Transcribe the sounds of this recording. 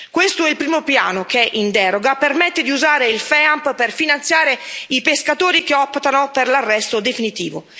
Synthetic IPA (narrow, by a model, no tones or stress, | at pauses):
kwest̪oɛilpɾiːmopja̰ːnok̟ɛʔind̪ɛɾoɡapermɛt̪ːed̪iuzaːɾeilfɛampperfinant̪sjaːɾeipeskat̪oːɾikeɔpːt̪anoperlarːɛst̪od̪efinit̪ḭːvo̰